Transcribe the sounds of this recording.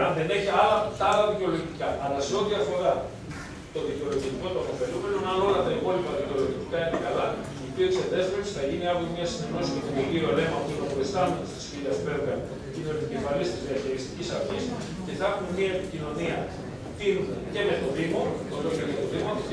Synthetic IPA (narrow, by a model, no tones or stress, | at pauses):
ɐnðene̞çiɐlɐt̪ɐɐlɐðiceo̞lo̞ʝikɐʔɐlɐseo̞t̪iɐfo̞ɾɐ | t̪o̞ðiceo̞loʝit̪iko̞t̪uɐfo̞fe̞lupɾenunɐlolɐt̪ɐipo̞lipɐðiceo̞lo̞ʝit̪ikɐinekɐlɐ | ipiot̪seðe̞zvɾeksθɐʝiniɐvunmɲɐsine̞no̞sisot̪ineliole̞mɐpunɐpoɾest̪ɐnust̪i̥sfiðɐspeɾɡɐn | t̪inolt̪icifɐlist̪izðiɐçiɾist̪icisɐɾçis | ceθɐxunmiɐepicino̞niɐ | t̪inunɐce̞met̪o̞ðimo̞oloçenet̪oðimɐt̪